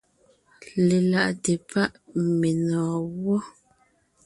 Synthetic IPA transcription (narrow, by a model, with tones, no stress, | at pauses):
le˨la˨ʔte˨pʰa˦ʔme˨nɔː˨wɔ˦